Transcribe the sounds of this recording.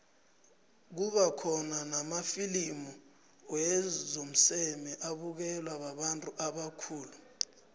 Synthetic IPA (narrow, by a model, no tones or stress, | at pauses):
k̬uɓakʰɔnanamafilimu | wɛzom̩sɛmɛʔaɓuk̬ɛlwaɓaɓantʼuʔaɓakʰuːlu